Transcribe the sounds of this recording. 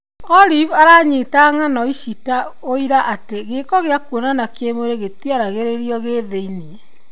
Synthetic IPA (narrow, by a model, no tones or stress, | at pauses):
ɔlivaɾaːɲitaŋanɔiʃita | oiɾaʔateɣekɔɣeakuonanakemoɾeɣet̪iaɾaɣeɾeɾiɔɣeðeine